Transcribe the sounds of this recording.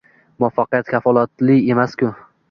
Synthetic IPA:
mʊafːaqɨjat̪kʲʰafɒlˠat̪lɪe̞maskʲʊ

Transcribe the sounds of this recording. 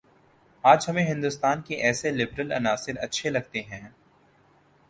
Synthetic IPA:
aːd͡ʒɦɐmẽɦɪ̃nd̪ʊst̪aːnkeʔɛːselɪbɾəlɐ̰naːsɪɾɐ̰tːʃʰelɐɡ̚t̪eɦɛ̃ː

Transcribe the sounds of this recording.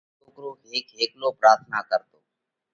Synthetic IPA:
oːkɾoːeːkɦeːkloːpɾaːɾt̪ʰnaːkəɾt̪oː

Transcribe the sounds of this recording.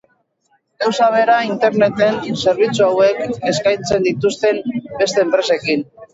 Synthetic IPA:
ɡawsaβ̞e̞ɾaint̪e̞ɾne̞t̪e̞nse̞ɾβ̞it͡suawe̞ke̞skajnt͡se̞nd̪it̪ust̪e̞mbe̞st̪e̞ːmpɾe̞se̞kin

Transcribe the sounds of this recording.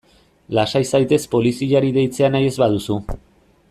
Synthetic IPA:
lasajsajt̪e̞spo̞lisiʎaɾiðe̞jt͡se̞anaje̞zβaðusu

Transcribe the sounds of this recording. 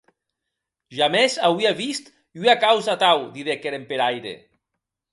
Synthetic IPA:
ʒamezawiaβist̪ | iakawzat̪awd̪iðekeɾempeɾajɾḛ

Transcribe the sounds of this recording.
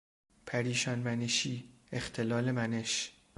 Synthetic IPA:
pʰæɾiːʃɒnmæneʃiː | ext̪ʰelɒːlemæneʃ

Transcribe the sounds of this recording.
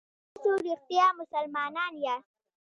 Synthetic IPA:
soɾixt̪ijaːmʊsalmɑːnɑnja

